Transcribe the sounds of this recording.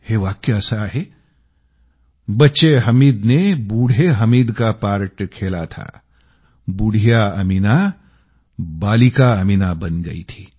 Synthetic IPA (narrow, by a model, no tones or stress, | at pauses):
heʋaːkːeɐsaɦe | bɐtːʃeɦɐmiːd̪nebuːɽʱeɦɐmiːd̪kapaːɾʈkʰeːla̰t̪ʰa̰ | buːɽ̤ʱijaɐmina | baːlɪkaɐminabɐnɡɐḭt̪ʰiː